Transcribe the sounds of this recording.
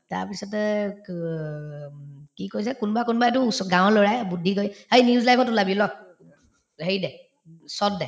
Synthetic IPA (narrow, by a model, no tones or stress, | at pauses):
taɹpisɔtɛ | kikojsɛkunbakunbaet̬ʊsɔɡãw̃lɔɹajbudʱikojaniuzlajpʰɔtulabilɔk | heɹidɛ | sɔt̚dɛ